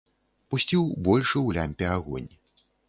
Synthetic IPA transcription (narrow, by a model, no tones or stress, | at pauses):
pusʲt͡sʲiwbɔlʲʂɨwlʲamʲpʲɛaɣɔ̰nʲ